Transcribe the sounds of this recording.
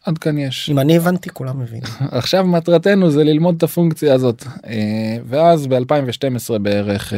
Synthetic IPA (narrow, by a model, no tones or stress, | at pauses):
ad̪kanjeʃimanievant̪ikulamːevḭnaχʃavmat̪ʁate̞nuzelilmo̞d̪̚t̪afuŋkt͡sijaːzo̞t̪ː | ve̞azbealpaimveʃte̞mesʁe̞be̞e̞ʁeχ